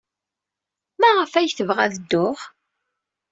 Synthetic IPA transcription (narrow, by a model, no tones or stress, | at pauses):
mæʁəfæjθəvʁæðəd̪ːʊʁ